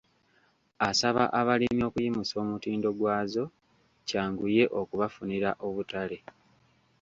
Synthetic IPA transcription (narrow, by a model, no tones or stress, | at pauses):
asaβa̰ʔaβalimjo̞ːkujimuso̞ːmutiːndo̞ɡwaːzo̞ | caːŋɡuje̞ʔo̞kuβafuniɾaʔo̞βutale̞